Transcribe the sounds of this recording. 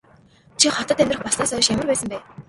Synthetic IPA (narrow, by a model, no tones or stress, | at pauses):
t͡ɕʰiχɔt̪ə̆t̪æmʲt̪rə̆χpɔsnaːsœjʃjamə̆rpæːsə̆mpæː